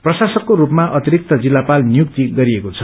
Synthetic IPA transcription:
prʌsasʌkːoɾupmaʔʌt̪iɾik̚t̪ʌd͡zilːapalnijuk̚t̪iɡʌɾiekot͡sʰʌ

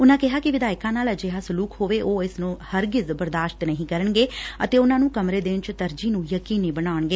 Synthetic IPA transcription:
ʊnãːkɪɦaːkɪʋɪd̪aːɪkãːnaːld͡ʒeːɦaːsʊluːkhoːʋeːʔoːɪsnũːhəɾɡɪzbəɾd̪aːʃt̪nəɦĩːkəɾəɳɡeːət̪eːʊnãːnũːkəmɾeːd̪ɪnt͡ʃt̪əɾd͡ʒiːnũːjəkiːnĩːbənaːəɳɡeː

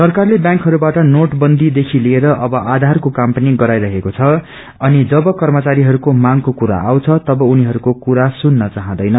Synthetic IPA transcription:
sʌrkarlebjãŋkɦʌɾubaʈʌnoʈbʌnd̪ʱid̪ekʰilieɾʌʔʌbʌʔad̪ʱarkokampaniɡʌɾajɾʌɦekot͡sʰʌ | ʌnid͡zʌbʌkʌrmʌt͡saɾiɦʌɾukomaŋkokuɾa̰awt͡sʰʌt̪ʌbʌuniɦʌɾukokuɾasunːʌt͡saɦãd̪ʌjnʌ

